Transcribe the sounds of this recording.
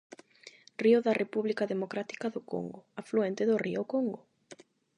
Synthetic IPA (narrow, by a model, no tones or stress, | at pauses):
riʊðarepuβlikaðemokɾat̪i̥kaðoko̰ŋɡʊafluent̪ɪðoriʊkoŋɡʊ